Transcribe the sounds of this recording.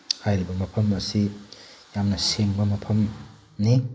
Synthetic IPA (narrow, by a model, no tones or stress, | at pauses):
hajɾibɐmɐpʰɐmɐsijamnɐseŋbɐmɐpʰɐm | ni